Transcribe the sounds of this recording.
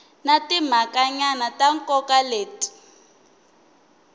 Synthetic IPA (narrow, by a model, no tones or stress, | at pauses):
natim̤akaɲanataŋkɔkaleːti̥